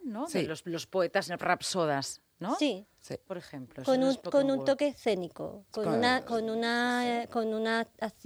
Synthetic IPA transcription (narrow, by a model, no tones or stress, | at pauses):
nosloslospoet̪aselrapsoðas | nosi | sipoɾexemplokonũnkonũnt̪okeːsθe̞niko̰kounakonunakonunaaθ